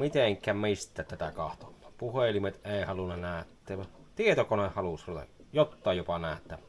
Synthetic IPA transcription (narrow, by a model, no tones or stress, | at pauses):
mit̪eŋkˑæmist̪ˑæːt̪t̪æt̪ækɑht̪omɑ̥ːpuhelimet̪ʔeˑihɑlunːɑnæːˑøt̪ːˑæt̪iet̪okonehhɑlusˑolt̪ɑ̰jot̪ːɑˑejjopɑnæˑːʔt̪ːæ